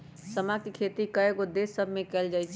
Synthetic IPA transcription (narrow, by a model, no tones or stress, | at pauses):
səmakikʰeːt̪ikəeɡod̪eːsəbʱmẽkɛld͡ʒaːit͡ʃʰ